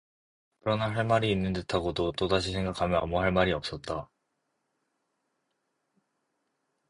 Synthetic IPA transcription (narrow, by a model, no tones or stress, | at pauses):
kɯɾʌnaɦaɭmaɾiːnːɯndɯtʰaɡodot͈odaɕ̬ʰisʰe̞ŋɡakʰamjʌna̰muɦaɭmaɾiʌp̚s͈ʌt̚t͈a